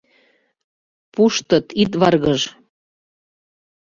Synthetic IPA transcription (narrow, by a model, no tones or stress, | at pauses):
puʃt̪ɤt̪it̪̬βɑrɣəʒ